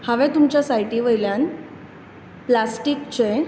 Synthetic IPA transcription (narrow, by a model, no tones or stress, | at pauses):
haʋɛt̪umt͡ɕjasajʈiːʋəjljan | plasʈikt͡ɕe